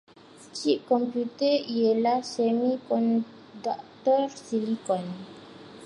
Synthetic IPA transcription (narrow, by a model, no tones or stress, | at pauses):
st͡ʃip̚kɔmpjut̪əielahsɛmikɔn | dɔk̚t̪ɔrsilikɔn